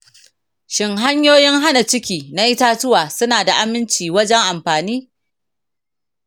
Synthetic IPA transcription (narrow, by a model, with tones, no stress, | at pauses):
ʃɪ˨ŋɦa˦ɲjoː˦jɪ˦ŋɦa˦na˨t͡ʃɪ˦kʲiː˨na˦ʔɪ˦ta˦tʊ˦waː˨sʊ˦naː˨da˨ʔa˦mɪ˦nt͡ʃiː˨wɐ˦d͡ʒɛ˦ŋʔa˨mɸaː˨niː˦